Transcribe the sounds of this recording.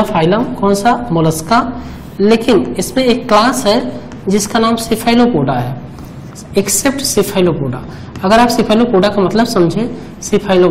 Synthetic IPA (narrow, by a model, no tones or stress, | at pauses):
fʰaːɪləmkɔːnsamʊləska | leːkɪnɪsmẽeːkːlaːsɦɛ | d͡ʒɪskanaːmsɪpʰaːɪlopoːɖaɦɛː | eksep̚ʈsipʰaːɪlopoːɖa | ɐɡəɾaːpsɪpʰaːɪlopoːɖakamɐt̪ləbsɐmd͡ʒʱẽ | sipʰaːɪlo